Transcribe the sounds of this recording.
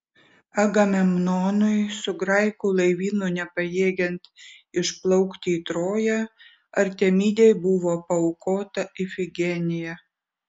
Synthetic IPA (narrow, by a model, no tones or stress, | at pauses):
ɐɡɐmʲɛmnoːnʊɪsʊɡɾɐɪkuːlˠɐɪʋʲiːnʊnʲɛpɐjeːɡʲɛnt̪ɪʃplˠɐʊkt̪ʲiːt̪ɾoːjɛ | ɐɾʲt̪ʲɛmʲiːd̪ʲejbʊʋoːpɐʊkoːt̪ɐɪfʲɪɡʲɛnʲɪjɛ